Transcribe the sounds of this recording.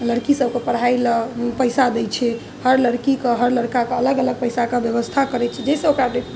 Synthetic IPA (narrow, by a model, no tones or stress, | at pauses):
ləɽkisəbkepəɽ̤ajləpəjsad̪ɛt͡ʃʰɛ | həɾləɽkikeɦəɾləɽkakeələɡələɡ̚pəjsakebjəbəst̪ʰakəɾɛt͡ʃʰɛd͡ʒesəokɾabe